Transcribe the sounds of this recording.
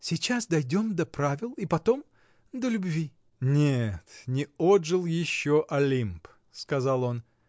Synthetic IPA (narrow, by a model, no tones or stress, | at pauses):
sʲɪt͡ɕasd̪ɐjdʲo̞md̪ɐpɾavʲɪlˠipɐt̪o̞m | d̪əlʲʊbvʲi | nʲet̪nʲɪod̪ʐɨlˠjɪɕːoʔɐlʲimp | skɐzalˠo̞n